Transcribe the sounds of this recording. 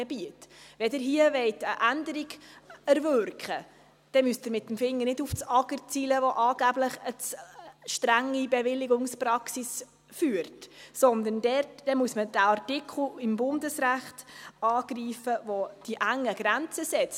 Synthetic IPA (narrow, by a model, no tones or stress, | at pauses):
ɛbiətvɛdɪɾɦiəʋɛɪtəʔændəɾiɡæɾvøɾkχə | d̥ɛmyəstəɾmɪtːəmfɪŋːəɾnɪduft͡sɑɡərt͡siːləvoʔɑːɡ̥æbləχət͡sʃtɾæŋːibɛvɪlːɪɡʊŋspɾɑksis | fyːɾtsɔnd̪əndɛtd̥ɛmuəsmədæɑrtɪkʰl̩ɪmbʊndəsɾæχtɑːɡ̥riːfəvod̥iʔæŋːəɡ̥ɾænt͡səsɛt͡s